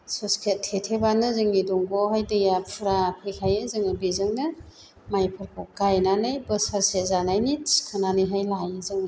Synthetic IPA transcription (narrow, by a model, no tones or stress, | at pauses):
sɔskʰetʰetʰebanɯzɯŋidɔŋɡɔhajdɯjapʰɯɾapʰejkʰajɯzɯŋɯbizɯŋnɯ | majpʰɯɾkʰɔk̚ɡajnanɯjbɯsaɾsezanajniskʰɯnanɯjɦajlajɯzɯŋ